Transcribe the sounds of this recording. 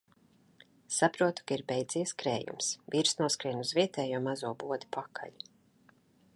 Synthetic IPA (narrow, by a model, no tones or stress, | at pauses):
sapɾuɔt̪u̥kaiɾbʲɛjd̪ziːskɾḛːjṵmsviːɾsnuɔskɾiɛnʲuzviɛt̪ɛːjuɔmazuɔbuɔd̪i̥pʰakʰa̰ʎu̥